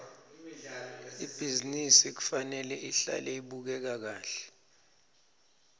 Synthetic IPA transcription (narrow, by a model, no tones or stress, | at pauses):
ib̥ʱizinisik̬u̥fanɛlɛʔiɬa̰lɛiɓuk̬ɛk̬ak̬aːɬɛ̥